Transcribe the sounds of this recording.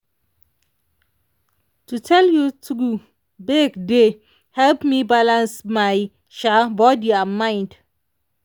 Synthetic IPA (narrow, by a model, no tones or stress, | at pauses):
tutʰɛljutʰɡu | beɡde | hɛlpmibalãnsmaj | ʃabɔdiamãɪ̃nd